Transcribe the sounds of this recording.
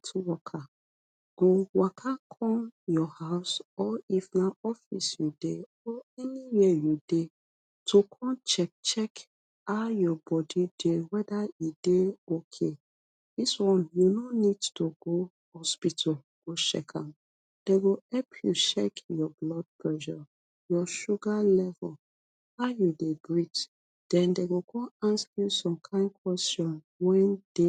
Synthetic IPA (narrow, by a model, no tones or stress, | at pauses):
tʰwɔkʰa | ɡ̥owakʰakʰɔ̃njɔhaʊsɔifnaɔfisjude | ɔɛnijɛjude | tʰokʰɔ̃nt͡ʃɛk̚t͡ʃɛk | ajɔbɔdidewɛdaideokʰe | diswɔ̃njunonidtuɡo | hɔspitʰɔ | ɡ̥oʃɛ̰kʰã̰m | d̥eɡoɛlpʰjuʃɛ̰kjɔblɔd̚pʰlɛʒɔ̰ | jɔʃuɡalɛvɔl | ajudeɡɹit | d̥ɛ̃ndeɡokʰɔ̃nãnsajusɔ̃mkʰãɪ̃ndkwɛstɔ̃n | wɛ̃nd̥e